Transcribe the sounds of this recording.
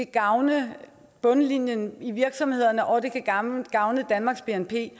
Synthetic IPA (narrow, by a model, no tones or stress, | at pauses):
ɡ̥ɑ̈ʊnə | b̥ɔ̽nəlinjəniʋiɐɡ̥sɒ̽mhe̝ð̞̰ˠɐnəʔɒ̽d̥e̝kʰæɡ̥ɑ̈ʊnəd̥ænmɑ̈ːɡ̥sb̥e̝enpʰe̝̰ː